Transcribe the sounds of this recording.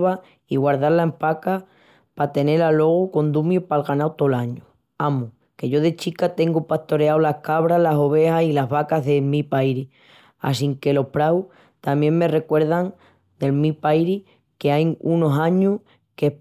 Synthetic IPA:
βa | iɣwaɾðaɾlaempaka | pat̪e̞ne̞ɾalo̞ɣ̞uko̞nd̪umjupalɣanawt̪o̞laɲu | amu | ke̞ʝo̞ðe̞t͡ʃikat̪e̞ŋɡupaht̪o̞ɾeawlahkaβɾalaso̞β̞e̞hasilaɦβakaɦðe̞mipajɾi | a̰siŋke̞lo̞hpɾaw | t̪amje̞ŋme̞re̞kwe̞ɾð̞aŋ | d̪e̞lmipajɾi | keajuno̞saɲu | ke

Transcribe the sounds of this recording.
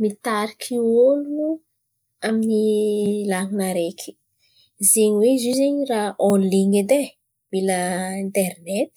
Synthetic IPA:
mit̪aɾikʰiolunu | aminilaŋinaɾekʰi̥ | zeɲiwezizeɲiraʔɔnliŋed̪e | miləint̪ɛɾnet̪

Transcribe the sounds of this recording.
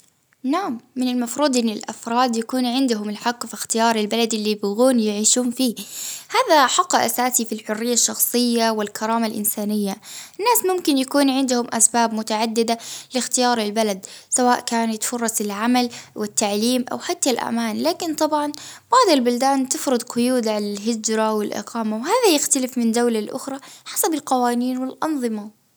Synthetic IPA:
naʕmːɪnɪlmɑfɾuːd̪ˤʔɪnːɪlʔa̰fɾˤɑːd̪jakuːnʕɪnd̪ʊɦʊmɪlħɑqːfixt̪ɪjɑːɾˤɪlbalad̪ʔɪlːibʊɣuːnjɪʕiːʃuːnfiːhaːðaħɑqːʔa̰saːsifilħʊrːɪjːaʃːɑxsˤɨjːawɪlkʰɑɾˤɑːmalʔɪ̰nsaːnɪjːaɪnːaːsmʊmkɪnjakuːnʕɪnd̪ʊhʊmʔasbaːbmʊt̪aʕad̪ːɪd̪alɪxt̪ɪjɑːɾˤɪlbalad̪sawaːʔkaːnɪt̪fʊrˤːɑsɪlʕamalwɪt̪ːaʕliːmʔa̰wħat̪ːalʔa̰maːnlaːkɪnt̪ˤɑbʕɑnb̥ɑʕd̪ˤalbʊld̪aːnt̪ɪfɾɨd̪qʊjuːd̪ʕalalɦɪd͡ʒɾawɪlʔɪ̰qɑːmawhaːðajɪxt̪alɪfmɪnd̪awlalʔʊ̰xɾˤɑħasabɪlqɑwaːniːnwɪlʔɑnðˤɨma

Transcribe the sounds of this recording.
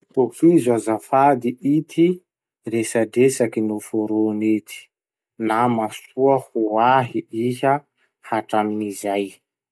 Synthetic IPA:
pofizazafad̪iʔit̪ʰi | resadesakinufoɾonet̪ʰi̥ | namasuəhuaɦiiɦə | haʈ͡ʂaminizaj

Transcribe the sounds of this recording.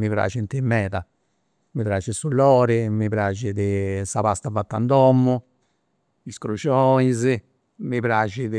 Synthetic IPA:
mipɾa̰ːt͡ʃint̪imːɛːða | mipɾaːt͡ʃisulːɔːɾimipɾaːt͡ʃid̪ɪsapast̪avat̪ːa̰nd̪ɔmːu | iskɾut͡ʃɔiz | mipɾaːt͡ʃið

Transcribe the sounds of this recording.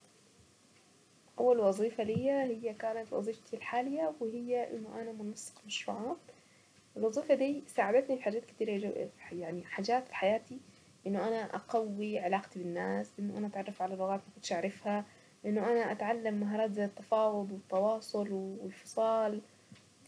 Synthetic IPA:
ʔawːalwɑzˤiːfalɪjːahɪjːakaːnat̪wɑ̰zˤiːfat̪ʰilħaːlɪjːawɪhɪjːaʔɪ̰nːʊʔanamʊnɑsˤːɨ̥qmaʃɾṵːʕaːt̪ | ɪlwɑzˤiːfad̪iːsaːʕabat̪nifiħaːd͡ʒaːt̪kɪ̥t̪iːɾajaʕniħaːd͡ʒaːt̪fi̥ħajaːt̪i | ʔɪnːʊʔanaʔa̰qawːiʕɪlaːqt̪ibɪnːaːslʔɪʔɪnːʊʔa̰naʔat̪ʕɑrˤːɑfʕalalʊɣaːt̪makʊnʃʔaʕɾˤɑfha | lɪʔɪnːʊʔanaʔat̪ʕalːamːaɦɑːɾˤɑːt̪zat̪ːɑfɑːwʊd̪ˤwɪt̪ːɑwɑːsˤʊlwwɪlfɑ̥sˤɑːl

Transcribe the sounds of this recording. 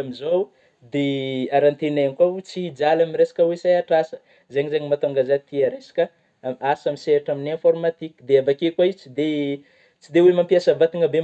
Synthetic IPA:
amizow | d̪eaɾant̪enaanikwaut͡sid͡zalamiɾesḁkəwesajaʈ͡ʂasə̥ | zeɲizeɲimat̪oŋɡazat̪iaɾesḁkʲə | asamiseaʈ͡ʂaminẽfoɾmat̪ikd̪eavakekwait͡sid̪e | t͡sid̪ewemampiasəvat̪iŋəbe

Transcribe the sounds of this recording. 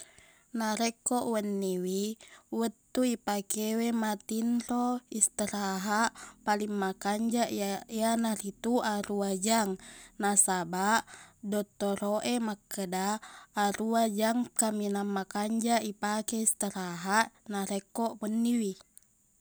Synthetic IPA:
naɾekːɔʔwənːiwiwət̪ːuipakewemat̪inroist̪əɾaɦaʔpaliŋmakaɲd͡ʒaʔianaɾit̪uaɾuad͡ʒaŋnasabaʔdɔt̪ːoɾoʔemakːədaːɾuad͡ʒaŋkaminamːakaɲd͡ʒaipakɛist̪əɾaɦaʔnaɾekːɔʔwənːiwi

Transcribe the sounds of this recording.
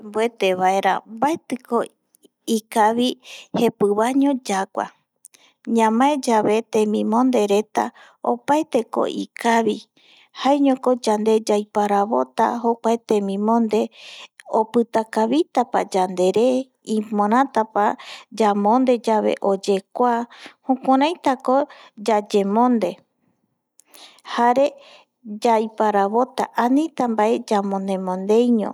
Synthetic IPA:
mbue̞t̪e̞βae̞ɾa̰mbaet̪ɨkʰo | ikaβihe̞pɨβaɲõd͡ʒakʷa̰ | ɲãmãed͡ʒaβe̞t̪ẽmĩmõ̞nd̪e̞ɾe̞t̪a̰ | o̰paet̪e̞ko̞̰ʔḭkʰaβi | haeɲõko̞d͡ʒand̪e̞d͡ʒajpaɾaβo̞t̪a̰ɦo̞kʷaet̪ẽmĩmõ̞nd̪e̞opɨt̪akaβit̪apa̰d͡ʒand̪e̞ɾe | ĩmoɾ̃ãt̪apad͡ʒamõnd̪e̞d͡ʒaβe̞̰ʔo̞d͡ʒe̞kʷahõkʷaɾãjt̪akod͡ʒad͡ʒe̞mõ̞nd̪e̞ | haɾe̞ | d͡ʒajpaɾaβo̞t̪a̰ʔanĩt̪ambaʔe̞d͡ʒamõnẽ̞mõnd̪e̞jɲõ̰

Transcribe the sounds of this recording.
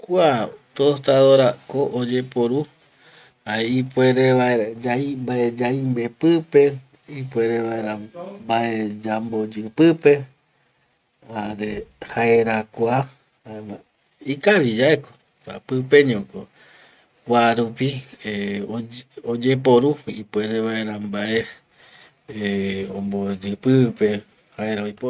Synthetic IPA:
kʷat̪ost̪aðoɾakoʔod͡ʒe̞poɾu | aeipueɾeβaeɾad͡ʒaimbaed͡ʒaimbepɨpe̞ | ipueɾeβaeɾabaed͡ʒambod͡ʒɨpɨpe̞ | aɾehaeɾakʷa | aa | ikaʋid͡ʒaeko̥ | sa̰pɨpe̞ɲõko | kʷaɾupieood͡ʒep̬oɾuḭpweɾeβaeɾambaʔe | õmbod͡ʒɨpɨpe̞ | haeɾaojpo

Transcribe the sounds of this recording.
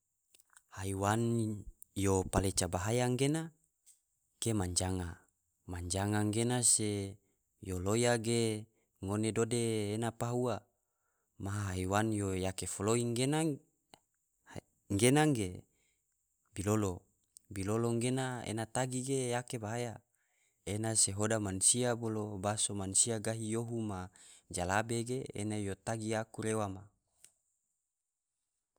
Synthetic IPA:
haiwan | jopalet͡ʃabaɦajaŋɡena | ɡ̥emaɲd͡ʒaŋa | maɲd͡ʒaŋaŋɡenase | jolojaɡe | ŋonedodeːnapaɦua | maɦaɦaiwanjojakefoloiŋɡena | ŋɡenaŋɡe | bilolo | biloloŋɡenaḛnat̪aɡiɡejakebaɦaja | enaseɦodamansiabolobasomansiaɡaɦijoɦumad͡ʒalabeɡḛːnajot̪aɡiakuɾewama

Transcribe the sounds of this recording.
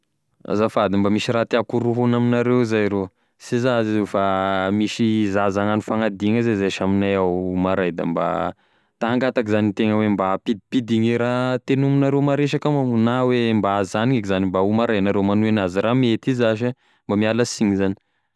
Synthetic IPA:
a̰zafad̪imbamiʃiɾat̪iakuɾuɦunaminaɾewzajɾo | sezazezewfamiʃizazaŋanifaŋad̪iŋazezaʃaminajawmaɾajd̪a̰mba̰ | t̪aaŋɡat̪akizanit̪eŋəwembapid̪ipid̪iŋeɾat̪enuminaɾemaɾeʃakamaunawembaazzaniŋakzanimbaumaɾajnaɾemanuenaziɾamet̪izaʃa | mbamialasiɲizani̥

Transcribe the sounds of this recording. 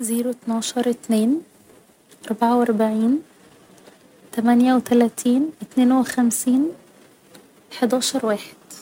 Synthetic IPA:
ziːɾut̪nɑːʃɑɾˤʔɪt̪neːn | ʔɑɾˤbaʕawʔɑɾˤbaʕiːn | t̪æmænjæwɪt̪ælæːt̪ʰiːnʔɪt̪neːnwɪxæmsiːn | ħad̪ɑːʃɑɾˤwaːħe̥d̪̥

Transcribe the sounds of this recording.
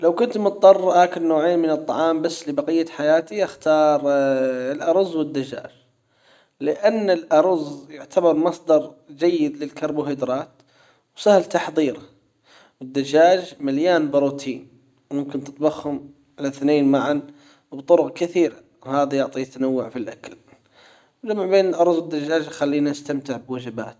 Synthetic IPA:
lawkʊnt̪mʊt̪̚d̪ˤɑrˤːhaːkɪlnːoːʕeːnmɪnɨt̪ˤːɑʕɑːmbasːlɪbɑqɪjːaħajaːt̪iʔaxt̪ɑːɾˤlʔɑɾˤʊzːwɪd̪ːad͡ʒa̰ːd͡ʒ | lɪʔanːɪlʔɑɾˤʊzjʊʕt̪ʰabɑɾˤmɑsˤd̪ɑɾˤd͡ʒajːɪd̪lɪlkɑɾˤbʊheːd̪ɾˤɑːt̪ | wsahlt̪ɑħðˤiːɾa | wɪd̪ːad͡ʒaːd͡ʒmaljaːnbɪɾuːt̪ʰiːn | wmʊmkɪnt̪ɪt̪bɑxhʊm | ʕalaθneːnmaʕan | bt̪ˤʊɾʊqkɪθiːɾa | haːðajʊʕt̪ˤijt̪anawːʊʕfilʔakal | wd͡ʒamʕbeːnɪlʔɑɾˤzˤwɪd̪ːad͡ʒːaːd͡ʒjxalːiːnaʔast̪amt̪ɪʕbwad͡ʒɪba̰ːt̪

